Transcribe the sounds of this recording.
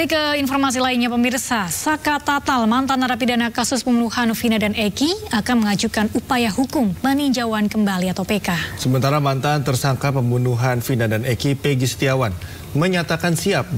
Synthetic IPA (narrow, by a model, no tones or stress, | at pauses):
ikəinfɔrmas̬ilainɲapəmirsasakat̪at̪almant̪ant̪aɾapidanakasʊspəmbunuhanfinadanekiakanməŋad͡ʒukanupajaɦukʊmpəniɲd͡ʒawankəmbaliat̪awpekasəmənt̪aɾamant̪ant̪ərsaŋkapəmbunuɦanfinadanekipeɡist̪iawan | məɲat̪akansiap̚